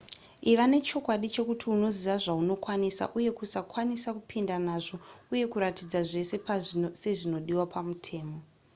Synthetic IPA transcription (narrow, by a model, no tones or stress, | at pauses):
iʋane̞t͡ʃo̞kwaɗit͡ʃe̞kutʰiuno̞ziʋaʐauno̞kwanisa̰ʔuje̞kusakwanisakupʰindanaʐo̞uje̞kuɾatid͡zaʐe̞se̞pse̞ʐino̞ɗiwapʰamutʰe̞ːmo